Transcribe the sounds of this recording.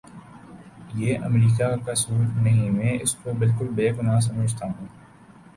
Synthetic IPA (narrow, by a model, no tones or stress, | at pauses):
jeːʔə̰mɾiːkakasuːɾnəɦĩmẽɪskobɪlkʊlbeːɡʊnaːs̬ɐməd͡ʒʱt̪aɦũː